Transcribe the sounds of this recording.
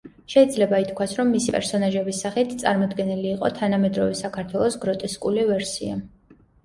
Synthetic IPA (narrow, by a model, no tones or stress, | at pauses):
ʃɛid̪zlɛbait̪ʰkʰwasɾɔmːisipʼɛ̰ɾsɔnaʒɛbisːaχit̪ʰt̪sʼa̰ɾmɔd̪ɡɛniliːqʼɔ̰t̪ʰanamɛd̪ɾɔvɛsakʰaɾt̪ʰwɛlˠɔsɡɾɔt̪ʼɛskʼulivɛɾsḭa̰